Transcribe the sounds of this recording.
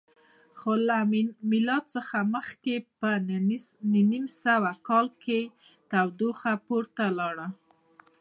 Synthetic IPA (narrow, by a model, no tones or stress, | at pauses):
xolammɪlɑt̪̚səxaməxkepə | ninimsawakɑlke | t̪awd̪oxapoɾt̪alɑɽə